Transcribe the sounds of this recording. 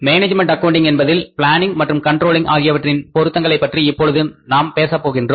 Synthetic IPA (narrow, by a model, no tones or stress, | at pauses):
meːneːd͡ʒmɛɳʈɐkːɐʊɳɖɪŋɛnbɐðɪlpɪɭaːnɪŋɡmɐʈrɯmkɐɳʈɾoːlɪŋʔa̰ːɣɪjɐʋɐʈrɪnpɔɾɯt̪ːɐŋɡɐɭɐɪpːɐʈriɪpːɔɻɯðɯnaːmpeːsɐpːoːɣɪndroː